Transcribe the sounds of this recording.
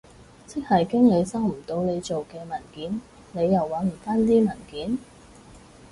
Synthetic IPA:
t͡sʰɪ˥k̚hɐ˨jkɪ˥ŋle˨˧jsɐ˥wm̩˨˩t̪o˨˧˥wne˨˧jt͡ʃo˨wkɛː˧mɐ˨˩nkiː˨˥n | ne˨˧jːɐ˨˩wːaː˨˥nm̩˨˩faː˥nt̪iː˥mɐ˨˩nkiː˨˥n

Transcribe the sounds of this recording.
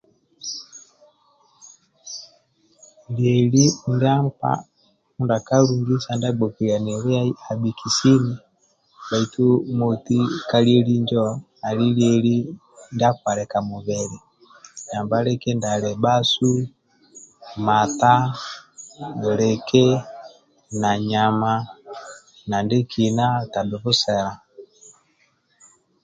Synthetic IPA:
ljɛ˨li˦ndia˦mpa̰˦ | u˦nda˨ka˦ɾu˨ŋɡi˦sa˨nda˦ɡ͡bɔ˨ki˨ɾja˨nɛ˨ɾɛ˦a˦a˨bi˨kʰi˨si˦ni˨ | ɓa˨i˨tu˦mo˨ti˦ka˦liɛ˦li˦ɲd͡ʒɔ˦ | a˨li˦ljɛ˨li˦ | nda˦ka˨ɾɛ˨ka˨mu˨βɛ˨ɾɛ˨ | ɲa˨mba˦ɾɛ˦kɛ˦nda˨lɛ˨ba˦su˦ | ma˨ta˦ | nɔ˨ɾɛ˨kɛ˦ | na˨ɲa˨ma˨ | na˨nde˦kʰi˨na˦ta˨bɛ˨βu˦sɛ˨ɾa˨

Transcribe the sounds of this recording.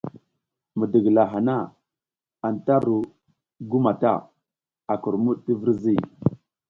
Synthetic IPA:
mə˨də˨ɡla˨ɦa˨na˦˨ | a˨n˨ta˦ɾu˨ | ɡu˦ma˨ta̰˦ | a˨ku˨ɾmu˦ɗti˦vi˦ɾzi˦˨

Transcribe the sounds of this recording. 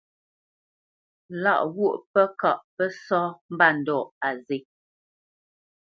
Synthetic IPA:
la̰˦˨ʔɣu˦˨ʔpə˦ka˨ʔpə˦sɔ˦m̩˦ba˦˨n̩˨dɔ˨ʔa˨ze˨˦

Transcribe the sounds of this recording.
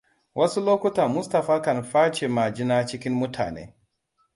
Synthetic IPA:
wʔɐ˦su˦loː˦kʷʊ˦ta˨mʊ˦sta˨ɸaː˦kɐ˨nɸaː˦t͡ʃe˨maː˨d͡ʒɪ˦naː˦t͡ʃɪ˦kʲɪ˦mmʊ˦tʰa̰ː˨nḛː˦

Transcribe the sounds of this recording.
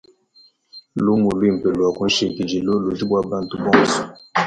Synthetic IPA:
lu˦mu˨lu˦i˦˨m̩˨pe˨lwa˨kũ˨˦n̩˦ʃe˨ti˨d͡ʒi˨lo˦lo˨d͡ʒi˦bwa˦ba˦n˦tu˦bɔ̃˦ŋ˨su˨

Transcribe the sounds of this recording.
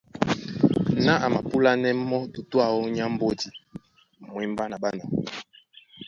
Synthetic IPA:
na˦ʔa˨ma˨pu˦la˦nɛ˦mɔ˦tu˨tu˦a˦˨ɔ˦ɲ˦a˦m̩˦bo˦di˨ | mwɛ˨mba˦na˨ba˦nɔ˨

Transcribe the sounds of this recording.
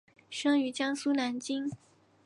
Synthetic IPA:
ʂɤ˥ŋy˧˥t͡ɕjɑ˥ŋsu˥na˧˥nt͡ɕi˥ŋ

